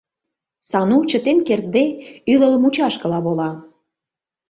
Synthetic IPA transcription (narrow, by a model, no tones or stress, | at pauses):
sɑnut͡ɕə̆t̪enkert̪̚d̪eyləlmut͡ɕɑʃkə̆lɑβolɑ